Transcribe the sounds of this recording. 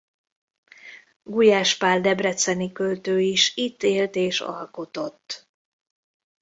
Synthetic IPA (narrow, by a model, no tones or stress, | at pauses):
ɡujaːʃpaːld̪ɛbrɛt̪sɛnikølt̪øːiʃit̪ːeːlt̪eːʃɒ̰lko̞t̪o̞t̪ː